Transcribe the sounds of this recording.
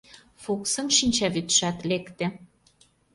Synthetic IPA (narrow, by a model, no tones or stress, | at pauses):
fuksə̆mʃinʲt͡ɕɑβyt̪ʃæt̪lekt̪ĕ